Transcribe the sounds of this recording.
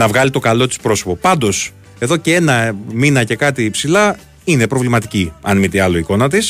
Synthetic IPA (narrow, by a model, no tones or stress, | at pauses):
nɐvɣɐlit̪o̞kɐlo̞t̪i̥spɾo̞so̞po̞pɐnd̪o̞s | e̞ðo̞ce̞e̞nɐminɐce̞kɐt̪iːpsilɐ | ine̞pɾo̞vlimɐt̪i̥ciɐ̰nmit̪eɐlo̞iko̞nɐt̪is